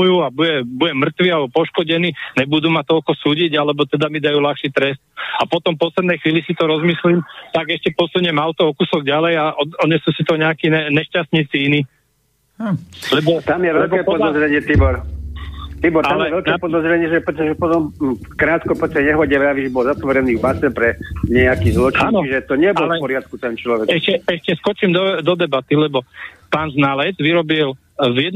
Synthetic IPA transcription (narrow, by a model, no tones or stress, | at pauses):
ujuːabujɛbujɛmr̩t̪ʋialbɔpɔʃkɔɟɛniːnɛbud̪umat̪ɔlkɔsuːɟiɟalɛbɔt̪ɛd̪amid̪ajuːlaxʃit̪ɾɛst̪̚apɔt̪ɔmpɔslɛd̪nɛjxʋiːlisit̪ɔɾɔzmislimt̪aɡɛʃcɛpɔsuɲɛmaʊt̪ɔɔkusɔɡɟalɛjaʔɔɔɲɛsuːsit̪ɔɲɛakiːnɛɲɛʃcast̪ɲiːt͡siiniː | lɛbɔt̪amjɛʋɛlkɛpɔd̪ɔzɾɛɲɪɛt̪ibɔɾ | t̪ibɔɾtalɛɛɛɛlk̪ɛpɔd̪ɔzɾɛɲɪɛʒɛpɾɛt̪ɔʒɛpɔt̪ɔmkɾaːt̪kɔpɔst̪ɛɲɛɦɔɟɛʋaʋiʒbɔlzap̪ʋɔɾɛniːvbasɛpɾɛɲɛakizlɔt͡ʃːnɔt͡ʃiʒɛt̪ɔɲɛbɔllɛpɔɾɪat̪̚kut̪ɛnt͡ʃlɔʋɛɛʃcɛɛʃcɛskɔt͡ʃimd̪ɔd̪ɔd̪ɛbat̪ilɛbɔpaːnznalɛd͡zʋiɾɔbil | vjɛd̪